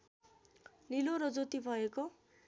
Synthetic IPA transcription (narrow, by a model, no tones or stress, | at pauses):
niloɾʌd͡zot̪ibʱʌeko